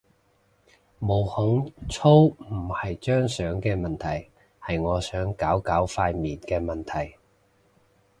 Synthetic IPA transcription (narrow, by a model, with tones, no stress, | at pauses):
mo˨˩whʊ˨˥ŋt͡sʰo˥wm̩˨˩hɐ˨jt͡ʃœː˥ŋsœː˨˥ŋkɛː˧mɐ˨nt̪ʰɐ˨˩j | hɐ˨jŋɔː˨˧sœː˨˥ŋkaː˨˥wkaː˨˥wfaː˧jmiː˨nkɛː˧mɐ˨˩nt̪ʰɐ˨˩j